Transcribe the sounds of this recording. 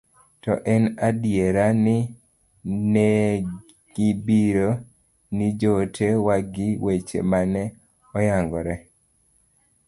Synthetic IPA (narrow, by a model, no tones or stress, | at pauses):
tɔʔɛnadjeɾanɪ | ne | ɡ̥ɪbiɾo | nid͡ʒotʰewaɡɪwet͡ʃḛmanɛ | ɔjaŋɡɔɾɛ